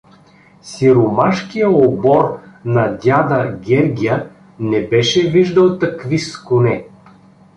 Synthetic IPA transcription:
siɾʊmaʃkijəobɔɾnɐd̪ʲjad̪ɐɡʲɛɾɡʲijə | nɛbɛʃɛviʒd̪əlˠt̪ɐkviskʊnɛ

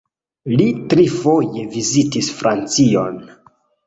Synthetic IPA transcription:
litɾifo̞je̞vizitisfɾant͡sio̰n

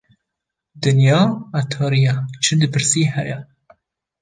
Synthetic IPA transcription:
d̪ɨnjɑːæt̪ʰɑːɾijɛt͡ʃʰɨd̪ɨpʰɨɾsiːɦɛjɛ

